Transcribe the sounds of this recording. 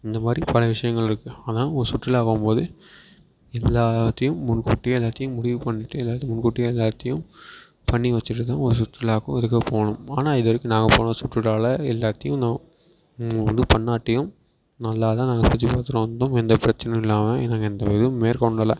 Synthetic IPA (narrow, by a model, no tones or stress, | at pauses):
ɪnd̪ɐmaːd̪ɾipɐlɐʋɪʂɐjɐŋɡɐɭɪɾɯkːɯɐːnãːɔɾɯsʊʈrɪlaːkʊmpoːðɯ | ɛlːaːt̪ːɐjɯ̃mːʊnkuːʈːɪjɐɛlːaːt̪ːɐjɯ̃mʊɽɪʋɯpɐɳːɪʈːɯɛlːaːt̪ːɯmʊnkuːʈːɪjɐɛlːaːt̪ːɐjɯ̃m | pɐɳːiʋɐt͡ʃːɯʈ̬ːɯt̪ãːɔɾɯs̬ʊʈrɪlaːkʊ̰̃ɛðɯkːɐpoːɳɯ̃maːnaːɪðʋɐɾɯkːɯnaːŋɡɐpo̰ːnɐsʊʈːrɯʈaːlɐɛlːaːt̪ːɐjʊ̃nãː | ʋɐ̰nd̪ɯpɐɳːaːʈːɐjɯ̃m | nɐlːaːt̪ãːnaːŋɡɐpɐt͡ʃːipaːɾt̪ɯɾõːʋɐnd̪õɛnd̪ɐpɪɾɐt͡ʃːɐnɐɪlːaːmɐnãːŋɡɐɛnd̪ɐʋɪðɯmeːɾkɔɳɖɐlɐ